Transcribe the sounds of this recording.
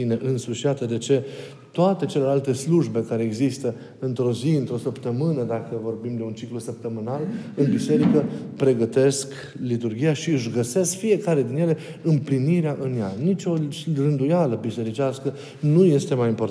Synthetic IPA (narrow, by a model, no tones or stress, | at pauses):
ine̞ʔɨnsuʃjat̪əd̪e̞t͡ʃe̞ | t̪oat̪e̞t͡ʃe̞le̞lalt̪e̞sluʒbe̞kaɾe̞ːɡzist̪ə | ɨnt̪ɾo̞ziɨnt̪ɾo̞səpt̪əmɨnəd̪akəvo̞rbimd̪e̞unt͡ʃiklusəp̚t̪əmɨnalɨnbise̞ɾikəpɾe̞ɡət̪e̞sk | lit̪urɡʲijaʃiɨʃɡəse̞skfie̞kaɾe̞d̪inje̞le̞ | ɨmpliniɾeaʔɨnjanit͡ʃʲo̞rɨnd̪ujaləbise̞ɾit͡ʃaskə | nuje̞st̪e̞majimpo̞rt̪